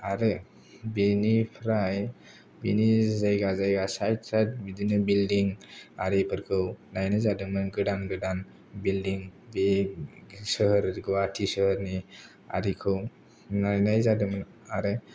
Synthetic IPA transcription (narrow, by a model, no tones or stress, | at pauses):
aɾɯ | binipʰɾaj | binizajɡazajɡasajsat̚bidinɯbildiŋaɾipʰɯɾkʰɯwnajnazadɯmɯnɡɯdanɡɯdan | bildiŋbe | səhəɾɡwatʰisəhəɾni | a̰ɾikʰɯw | najnajzadɯmɯn | aɾɯ